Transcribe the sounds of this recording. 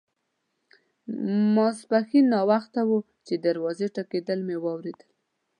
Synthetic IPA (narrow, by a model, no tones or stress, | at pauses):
masbaxinːɑwaxt̪awu | t͡ʃed̪aɾwɑzeʈaked̪əlmewɑwɾed̪əl